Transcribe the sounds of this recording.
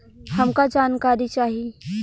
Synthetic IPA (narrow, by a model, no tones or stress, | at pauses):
hɐmkad͡ʒaːnkaːɾit͡ʃaːɦie